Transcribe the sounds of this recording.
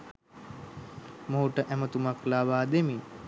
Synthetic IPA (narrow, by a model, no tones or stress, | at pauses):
moɦuʈəʔæmət̪umaklaːʋaːd̪emi